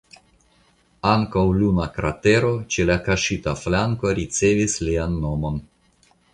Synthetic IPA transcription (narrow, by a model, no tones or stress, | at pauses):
aŋkawlunakɾa̰te̞ɾo̞t͡ʃelakaʃitaflaŋko̞ɾit͡se̞vislianːo̞mo̞n